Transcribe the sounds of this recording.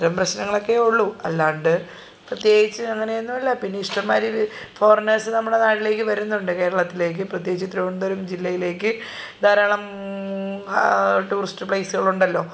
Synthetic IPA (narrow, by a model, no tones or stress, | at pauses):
ɾɐmprɐɕnɐŋːɐɭo̞kːe̞uɭːuɐlːaːɳɖɨ | prɐt̪jeːɡit͡ɕːɨɐŋːɐnejenːumɐlːɐpinːeiʂʈɐmːaːɾi | fo̞ːrnɐsɨnɐmːuɽe̞naːʈile̞ːk̬ːɨʋɐɾunːuɳɖɨke̞ːɾɐɭɐt̪ːile̞ːk̬ːɨprɐt̪̬jeːɡit͡ɕːɨt̪ɾoʋɐɳd̪ɐɾumd͡ʑilːɐjile̞ːkːɨ | d̪ʱaːɾaːɳɐm | ʈuːrisʈɨpɭɐjsuɣɐɭuɳɖɐlːo̞ː